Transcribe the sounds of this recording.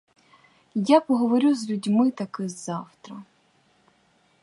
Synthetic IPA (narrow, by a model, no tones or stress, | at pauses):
japɔɦɔʋɔɾʲuzlʲudʲmɪt̪ɐkɪzɑwt̪ɾɐ